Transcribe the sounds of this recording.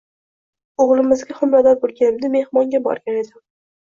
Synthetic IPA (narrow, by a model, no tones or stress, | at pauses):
oʁlˠɪmɪzɡʲaχʊmɾad̪aɾ̚bolˠɡʲanɪmd̪ɪme̞hmɒŋɡʲabɒ̰ɾɡʲane̞d̪ɪm